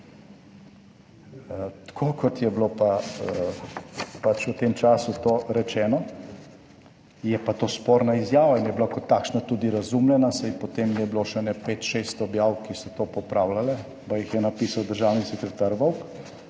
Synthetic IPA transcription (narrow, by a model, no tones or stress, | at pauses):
t̪kʰoːkʰɔt̪jɛblopa | pat͡ʃut̪emt͡ʃaːsut̪oːɾɛt͡ʃɛːnɔ | jɛpat̪oːspoːɾnaizjaːʋainjɛblakɔt̪ːaːkʃnat̪ud̪iɾazumlɛnasɛinpɔt̪emjɛbiloʃɛnɛpet̪ʃest̪ɔbjaːwkisɔt̪oːpɔpɾaːwlalɛ | pajixjɛnapiːsawd̪əɾʒaːwnisɛkɾɛt̪aɾʋɔwk